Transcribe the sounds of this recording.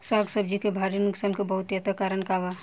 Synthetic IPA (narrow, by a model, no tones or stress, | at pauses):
saːɡsəb̚d͡ʒikebʱaɾinʊksankebɐɦʊt̪jət̪akaɾənkaʋa